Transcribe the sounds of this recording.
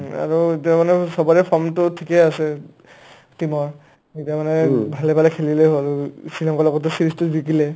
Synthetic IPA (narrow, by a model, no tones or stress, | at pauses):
a̰ɹuetiamanɛsɔbɔɹɛpʰɔmtʊtʰikɛasɛ | timɔɹ | etiamanɛbʱalɛbʱalɛkʰelilɛɦoalsilɔŋkɔlɔɡɔt̬ɔsiɹistubikilɛ